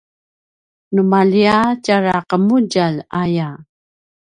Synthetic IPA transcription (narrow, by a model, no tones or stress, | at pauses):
numaliacaɾaqəmuɟalaja